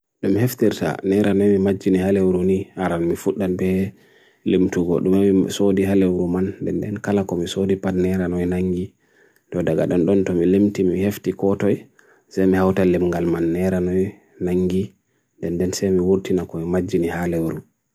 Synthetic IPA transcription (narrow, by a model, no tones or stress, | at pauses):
ɗumiheftiɾta̰nɛɾʔanɔjmimad͡ʒːiniɦalewɾunihaɾanmifuɗːanbɛ | lemtuɡɔ̰ɗumamisodiɦalewɾumandɛndɛnkalakɔmisodipadnɛɾanɔjnaŋɡi | tɔdaɡaɗɔnɗɔntɔmilemtimiheftikɔtɔj | sajmihawtalemŋɡalmanːɛɾanɔj | naŋɡi | ndɛndɛnsɛjmiwuɾtinakɔmimad͡ʒːinihalewɾu